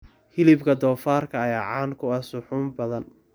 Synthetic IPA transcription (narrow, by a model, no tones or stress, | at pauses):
hɪlɪbkʰɐd̪ɔːfaːrkʰɐjaʕɑːnkʰʊɐsʊħʊːmbɐðɐn